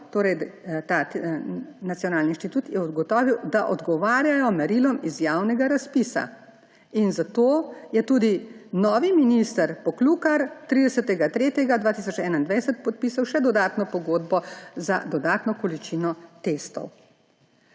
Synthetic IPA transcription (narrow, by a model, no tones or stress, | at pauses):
t̪oːɾɛjt̪a | nat̪sjɔnaːlninʃt̪it̪ut̪jɛɔd̪ɡɔt̪ɔːʋiwd̪aʔɔd̪ɡɔʋaːɾjajɔmɛɾilɔmizjaːwnɛɡaɾaspisa̰ | inzat̪oːjɛt̪ud̪inɔːʋiminist̪aɾpɔkluːkaɾt̪ɾid̪ɛsət̪ɛɡat̪ɾeːt̪jɛɡad̪ʋaːt̪isɔt͡ʃɛːnaind̪ʋɛjsɛt̪̚pɔt̪̚piːsawʃɛd̪ɔd̪aːt̪nɔpɔɡoːd̪bɔza̰d̪ɔd̪aːt̪nɔkɔlit͡ʃinɔt̪est̪ɔ̰w